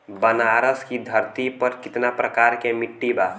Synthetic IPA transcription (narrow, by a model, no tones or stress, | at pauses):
bɐnaːɾəskid̪ʱɐɾt̪ipɐɾkɪt̪napɾəkaːɾkemɪʈːibaː